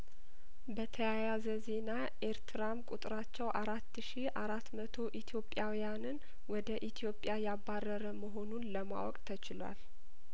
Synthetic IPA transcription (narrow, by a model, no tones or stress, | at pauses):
bət̪ʰəjajazəze̞na | ʔeɾt̪ʰɨɾamkʼut̪ʼɾat͡ʃːɛwʔaɾat̪ːʃiʔaɾat̪mət̪ʰo̞ʔit̪ʰjo̞pʼːjawijanɨn | wɔd̪əʔit̪ʰijo̞pʼjajaβːarːəɾəməɦo̞nunləma̰wɔkʼt̪ʰət͡ʃɪlwa̰l